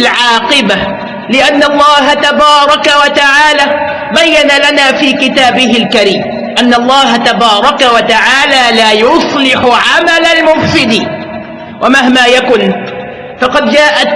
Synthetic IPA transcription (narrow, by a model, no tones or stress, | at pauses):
lʕɑːqɨba | lɪʔanːɑlˤːɑːɦat̪abɑːɾˤɑkawat̪aʕaːlaː | bajːanalanaːfiːkɪt̪aːbɪɦɪlkaɾiːm | ʔanːɑlˤːɑːɦat̪abɑːɾˤɑkawat̪aʕaːlaːlaːjʊsˤlɪħʊʕamalalmʊmfɪd̪iː | wʔamaɦmaːjakʊn | fɑqɑd̪d͡ʒaːʔat̪